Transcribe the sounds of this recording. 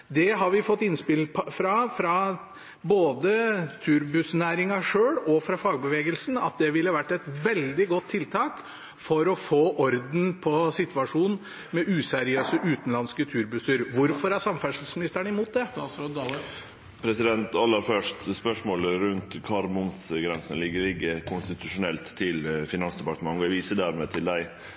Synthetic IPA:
d̪ɛɦɑɾʋɪfɔt̪ːɪnspɪlpfɾɑfɾɑ | boːd̪ət̪ʰʉːɾbʉsnæːɾɪŋɑʂøːɽɔfɾɑfɑːɡ̚bəʋeːɡəlsn̩ɑt̪̚d̪ɛʋɪlːəɑʋæʈːɛt̪ʋɛld̪ɪɡɔt̪ʰːɪlt̪ʰɑːk | fɔɾɔfoːʔɔɾd̪n̩pʰɔsɪt̪ʋɑʂuːn | mɛʔʉːsæɾɪøːsəʔʉːt̪n̩lɑnskət̪ʰʉːɾbʉsəɾʋʊɾfɔɾæɾsɑmfæʂl̩smɪnɪst̪əɳɪmuːt̪̚d̪ɛ | pʰɾɛsɪd̪ɛnt̪ɑlːəɾfœʂtspœʂmoːləɾʉnt̪kʰɑɾmʊmsɡɾɛnsənəlɪɡːəlɪɡːəkʰʊnst̪ɪt̪ʰʉʂʊnɛlt̪ʰːɪlfɪnɑnsd̪ɛpɑt̪əmɑŋɡɑʋiːsəd̪æɾmeːt̪ʰɪld̪æɪ

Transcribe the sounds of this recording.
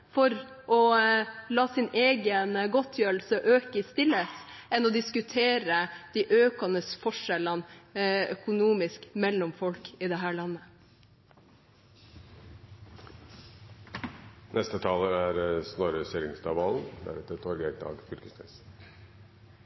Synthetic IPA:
fɔɾ | ʔɔlɑːsɪneːɡənɡɔt̪ʰjøːɾlsəʔøːkəɪst̪ɪlːəsɛnɔd̪ɪskʉt̪ʰeːɾəd̪̥iːʔøːkɑnəsfɔʂɛlənœkʊnuːmɪskmɛlːɔmfɔlkiːd̪ɛɦæːɭɑnːə | nʔɛst̪ət̪ʰɑːləæɾsnɔɾəseɾɪŋst̪ʰɑʋɑln̩d̪æ̰ɾɛt̪ət̪ʰɔɾɡɛk̚d̪ɑ̰ːɡfʏɾkəsnɛ̰s

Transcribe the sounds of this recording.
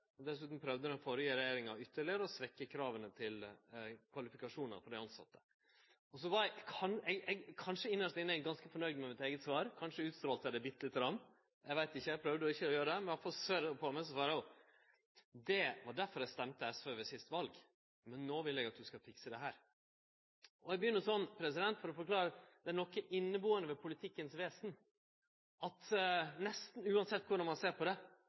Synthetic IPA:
d̪ɛsʉːt̪nm̩pʰɾœʋd̪əɾɛnfoɾəjiːɾɛjeːɾɪŋɑʏt̪ːəɭɪəɾəɔsʋɛkːəkʰɾɑːʋənət̪ʰɪlkʰʋɑlɪfɪkɑʂuːnɑ̰fɔɖɛɪɑnsɑ̰t̪ːə̥ | ɔsɔʋɑɾɛkʰɑnɛɡɛɡkʰɑnʂəɪnːəʂt̪ɪnːæɪɡɑnskəfɔɳœʏd̪mæmɪt̪eːɡət̪sʋɑːɾkʰɑnʂəʉːt̪st̪ɾoːlt̪æɖ̪ɛbɪt̪ːəlɪt̪ːəɾɑm | ɛɪʋæɪt̪ɪçːəæɪɡpʰɾœʋd̪əɔɪçːəɔjøːɾəd̪ɛmɛnɑfɔsøɾpʰɔmæsɔsɑːɾɔ | d̪ɛʋɑɖæɾfɔɾæst̪ɛmt̪əɛsføʋɛsɪst̪ʋɑlɡ | mɛnːoːʋɪlɛɡɑt̪̚d̪ʉskɑfɪksəd̪ɛɦæːɾ | ʔɔɛɡbəjʏnːəsɔnːpʰɾɛsɪd̪ɛnt̪fɔɾɔfɔɾkʰlɑːɾəd̪̥ɛæɳɔkːəʔɪnːəbuːənəʋɛpʰʊlɪt̪ʰɪkːənsʋeːsn̩ | ɑt̪nɛst̪n̩ʉːɑnsɛt̪ːkʰʊɖɑnmɑnseːɾpʰɔd̪ɛ

